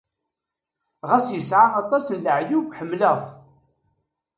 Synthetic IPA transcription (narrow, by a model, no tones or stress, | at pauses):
ʁæsjəsʕaɑt̪ˤɑsnləʕjuɡħəmːləθ